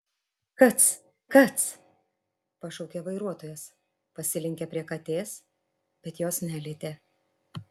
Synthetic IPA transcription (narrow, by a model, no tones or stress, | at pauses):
kɐt̪s | kɐt̪s | pɐʃɔʊkʲeʋɐɪɾuɔt̪oːjɛs | pɐsʲɪlʲɪŋʲkʲɛpʲɾʲiɛkɐt̪ʲeːs | bʲɛt̪joːsnʲæːlʲet̪ʲeː